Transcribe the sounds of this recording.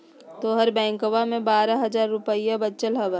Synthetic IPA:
t̪oɦɐɾbɛ̃ːŋkoʋamẽbaːɾaɦɐzaːɾːʊpəijabɐtːt͡ʃəlɦɐʋə

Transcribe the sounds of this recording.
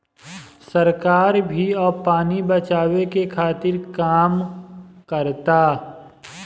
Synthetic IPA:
sɐɾkaːɾbʱiɔːpaːnibɐt͡ʃaːwekekʰaːt̪ɪɾkaːmkəɾt̪aː

